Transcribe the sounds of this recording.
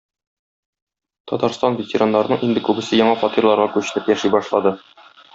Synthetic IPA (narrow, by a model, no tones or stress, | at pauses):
t̪ɒt̪ɑɾst̪ɑnvʲɪtʲɪɾanːɑɾnɤɴʔind̪ɘkʉbɘ̆sɘjɒɴɑfɒt̪irlˠɑɾʁɑkʉɕɘ̥̆lɘpjæʃijbɒʃlˠɑd̪ɤ